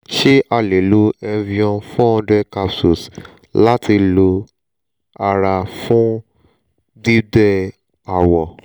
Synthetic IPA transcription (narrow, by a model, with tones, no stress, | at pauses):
ʃe˦ʔa˧˨le˨lu˦ɛ˧vi˧ɔ̃˧fũ˦ɔ̃˧dɛ˦ka˧psu˨s | la˦ti˧lo˧ | a˧ɾa˧fũ˦ | di˦dɛ˦ | a˨wɔ˨